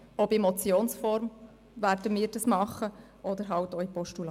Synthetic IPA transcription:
ɔbemɔt͡sjoːnsfɔɾm | ʋæɾd̥əmiːɾdɑsmɑχə | ʔɔd̪əɾɦɑltoipɔʃtulɑ

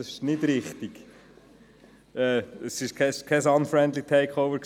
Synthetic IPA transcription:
ɑsɪʃnɪdɾɪχt̪iɡ̥ | ɛːəsɪʃkʰɛʃkʰɛsɑnfɾɛndlitʰɛɪkʰoʊvəɾk

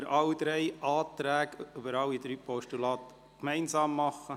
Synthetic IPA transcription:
əɾʔɑld̪ɾɛɪʔɑːt̪ɾæːɡøbəɾɑlːid̪ɾyːpʰɔʃtulɑːt̪ | kmɛɪnzɑːmːɑχːə

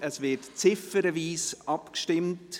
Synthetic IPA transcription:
əsvɪtt͡sɪfəɾəviːsʔɑpkʃtɪmt

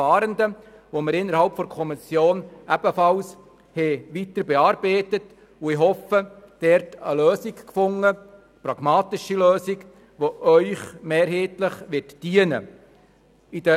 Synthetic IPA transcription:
ɑːɾəndə | ʋoməɾɪnːəɾhɑlpfɔɾkʰɔmisjoːnʔæb̥əfɑls | hɛʋitəɾbeɑːɾb̥eɪtət | ʊɪɦɔfəd̥ɛɾtə̰løːsikkfʊŋːə | pɾɑɡ̥mɑːtɪʃiløːsɪk | ʋoʔœʏχmeːɾɦeːtləχʋɪtd̥iənə̰ | id̥ə

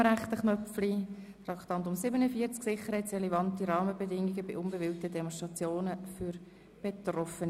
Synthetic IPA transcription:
ɾæχt̪əχnœp͡fli | t̪ɾɑkt̪ɑntʊmsɪbənəfiəɾt͡sksɪχəɾhɛɪtsrɛlɛvɑntiɾɑːməbedɪŋiɡəbɪʔʊnbəvɪltədɛmɔnʃtʁɑt͡sjoːnəfʏɾ | b̥et̪rɔfən

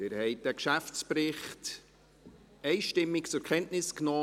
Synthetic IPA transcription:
ɪɾhɛɪt̚d̥ɛkʃæft͡spɾɪχt | ɛɪʃtɪmːɪkt͡sʊɾkʰɛntnɪsknɔː

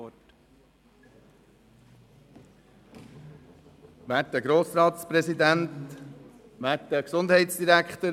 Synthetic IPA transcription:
ʋæːtdəɡɾoːsɾɑːt̪spɾɛsid̪ænt̪ | ʋæːtdəksʊnd̪ɦɛɪtsd̥̪iɾækχt̪ə

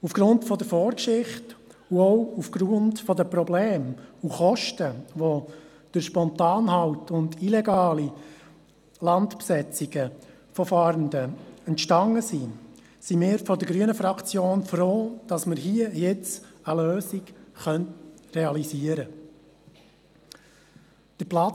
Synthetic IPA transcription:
ufɡ̥ɾʊntfɔd̪əɾfɔːɾkʃɪχtuɔwufɡ̥ɾʊntfɔdəpɾɔbleːmuχɔʃtəʋɔ | d̪̥əɾʃpɔntɑːnhɑwtʊndilɛɡɑːli | lɑntpsɛt͡siɡ̥ə | fɔfɑɾndəɛntʃtɑŋəsi | simɪːɾfɔdəɾɡɾyənəfɾɑkt͡sjoːnfɾoːd̥ɑsməɾɦiəjɛt͡səløːsiɡχœntrɛɑlisiəɾə | d̥əɾplɑ

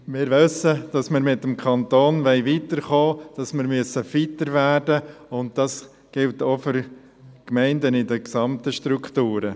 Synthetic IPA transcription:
mɪːɾʋʏsəd̥ɑsmɪɾmɪtːəmkʰχɑntoːnʋɛɪʋiːtəɾχoːd̥ɑsmɪɾmyəsəfitəɾʋæːɾdəʊnt̚d̥ɑs | ɡ̥ɪltoːfʏɾ | kmɛɪndənɪdəksɑmtəʃtɾuktuːɾə

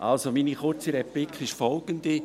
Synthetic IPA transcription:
ʔa̰lsominiχʊɾt͡siɾɛplikχɪʃfɔlɡ̥ənd̪i

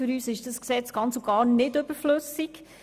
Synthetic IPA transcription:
ʏɾyːsɪʃd̥əsksɛt͡sɡ̥ɑnt͡soɡɑːɾnɪdøbəɾflɵsik

